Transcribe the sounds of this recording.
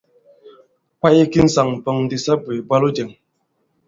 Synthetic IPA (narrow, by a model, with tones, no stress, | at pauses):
ka˦ji˦ki˦n̩˦sa˨ŋm̩˨pə˨ŋn̩˦di˨sa˦bwe˨bwa˦lo˦d͡ʒe˨ŋ